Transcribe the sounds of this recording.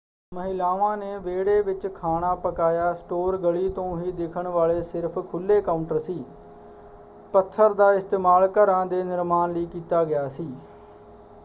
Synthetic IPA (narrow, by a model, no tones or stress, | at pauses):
məɦɪlaːʋãːneːʋeːɽeːʋɪt͡ʃkʰaːɽ̃aːpəkaːjaːsʈoːɾɡəɭiːt̪õːɦiːd̪ɪkʰəɳʋaːleːsɪɾpʰkʰʊlːeːkaːʊɳʈəɾsiː | pət̪ʰːəɾd̪aːɪst̪eːmaːlkəɾãːd̪eːnɪɾmaːnləiːkiːt̪aːɡɪjaːsiː